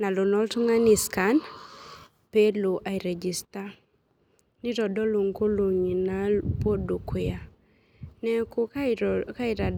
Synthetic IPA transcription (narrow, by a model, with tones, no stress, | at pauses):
na˨lo˨nɔ˦ltŋa˦ni˨skan | pe˦lo˨ʔa˨iɾɛ˨d͡ʒi˨sta˦ | ni˦ɾɔ˨dɔ˦lo˨ŋko˦lo˨ɲ˨nalpo˦du˨kwɪa˨ | nɛ˦kʊka˦ɪɾa˨d